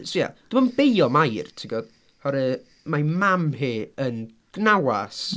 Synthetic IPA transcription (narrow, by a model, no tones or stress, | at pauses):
sia̰d̥umɔnbejɔmajrtʰiɡɔd̥ | hɔɾɛ | majmamhiːən | ɡ̥nawas